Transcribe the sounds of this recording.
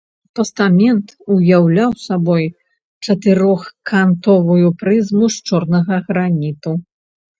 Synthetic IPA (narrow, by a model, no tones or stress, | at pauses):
pɐst̪amʲɛnt̪ujawlʲawsabɔj | t͡ʂɐt̪ɨɾɔxkant̪ɔvɐjupɾɨzmuʂt͡ʂɔrnɐɣɐɣɾanʲit̪u